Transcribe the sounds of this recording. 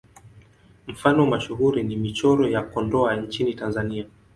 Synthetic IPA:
m̩fanɔwmaʃuɦuɾinimit͡ʃɔɾɔjakɔndɔaɲt͡ʃinitanzania

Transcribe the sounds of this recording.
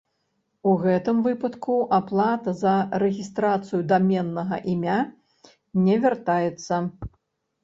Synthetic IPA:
uɣɛt̪ɨmvɨpɐt̪kuʔaplˠat̪ɐzɐɾɛɣʲist̪ɾat̪sɨjud̪amʲɛnːɐɣɐʔimʲa | nʲɛvʲart̪ajɛt̪sːɐ

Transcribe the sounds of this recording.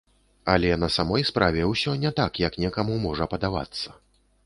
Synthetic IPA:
ɐlʲɛnɐsamɔjspɾʔavʲɛwsʲɔnʲɛt̪akjɐknʲɛkɐmumɔʐɐpɐd̪ava̰t̪sːɐ̥

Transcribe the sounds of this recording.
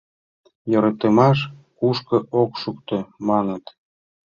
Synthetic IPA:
joɾɑt̪ə̆mɑʃ̬ | kuʃkɤ̆ʔokʃukt̪ɤ̆mɑnət̪

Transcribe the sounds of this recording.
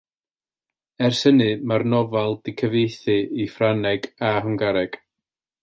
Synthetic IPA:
ɛrsənɨmarnɔvalˠdɪkʰəvejθɨifranɛɡaɦəŋɡaɾɛɡ̥

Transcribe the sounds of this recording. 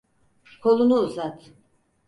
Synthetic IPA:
kʰo̞lˠunuːzat̪

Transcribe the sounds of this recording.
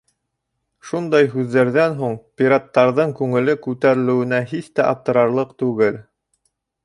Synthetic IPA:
ʃund̪ɑjɦʉðːæɾðænɦuɴpʲiɾat̪ːɑɾðɤɴkʉŋɘ̆lɘkʉt̪æɾɘ̆lɘ̆wɘ̆næɦiθt̪æʔɑp̚t̪ɤ̆ɾɑɾlˠɤqt̪ʉɡɘl

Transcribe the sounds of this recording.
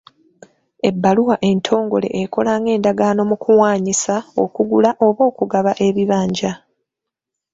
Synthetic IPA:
e̞bːaluwaʔe̞ntʰo̞ːŋɡo̞le̞̰ʔeko̞laːŋɡe̞ːndaɡaːno̞mukʰuwaːɲisao̞kuɡulaʔo̞βo̞ːkuɡaβaʔe̞βiβaːɲɟa

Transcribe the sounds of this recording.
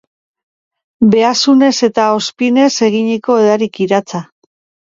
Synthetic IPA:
be̞asune̞se̞t̪ao̞spine̞se̞ɣ̞iɲiko̞eðaɾikiɾat͡sa

